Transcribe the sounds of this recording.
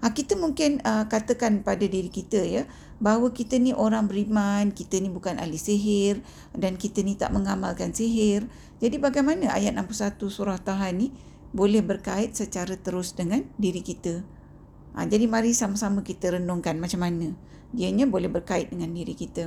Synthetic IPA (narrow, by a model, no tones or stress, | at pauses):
ʔakit̪əmuŋkɪnəkat̪əkanpadadiɾikit̪əjə | baɦwəkit̪əniʔoɾaŋbəɾimankit̪ənibukana̰liseɦɪr | dankit̪ənit̪a̰ʔməŋamalkansiɦɪr | d͡ʒadibaɡajmanəa̰jat̪̚nampusat̪usuɾaht̪aɦanːi | bolɛhbərkaɪt̪̚sət͡ʃaɾət̪əɾʊsdəŋandiɾikit̪ə | ʔa̰d͡ʒadimaɾisamasaməkit̪əɾənɔŋkanmat͡ʃamːanə̃ | diəɲabolɛhbərkaɪt̪̚dəŋandiɾikit̪ə